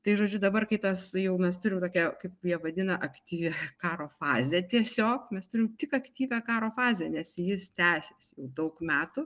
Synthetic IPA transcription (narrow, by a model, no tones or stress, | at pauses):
t̪ɐɪʒoːd͡ʒʲʊd̪ɐbɐrkɐɪt̪ɐsjɛʊmʲɛst̪ʊɾʲɪmt̪oːkʲɛkɐɪpjiɛʋɐd̪ʲɪnɐʔɐkt̪ʲiːʋʲɛkɑːɾoːfɑːzʲɛːt̪ʲiɛsʲoːkmʲɛst̪ʊɾʲɪmt̪ʲɪkɐkt̪ʲiːʋʲæːkɑːɾoːfɑːzʲɛːnʲɛsjɪst̪ʲæːsʲeːsjɛʊd̪ɐʊkmʲæːt̪ʊ